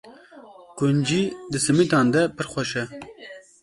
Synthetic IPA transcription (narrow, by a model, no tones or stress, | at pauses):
kʊnd͡ʒid̪ɨsɨmit̪ɑːnd̪ɛpɨɾxʷɛʃɛ